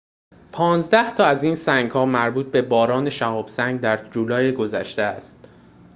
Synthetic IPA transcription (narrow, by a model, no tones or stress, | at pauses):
pʰɒːnzd̪æht̪ʰɒːæziːnsæŋɡhɒːmæɾbuːt̪̚be̞bɒːɾɒːne̞ʃæhɒːb̥sæŋɡd̪æɾd͡ʒuːlɒːjeɡo̞zæʃt̪eæst̪̚